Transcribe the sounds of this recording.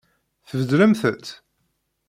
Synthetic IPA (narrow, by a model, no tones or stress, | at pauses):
θəvəd̪ɾəmθət̪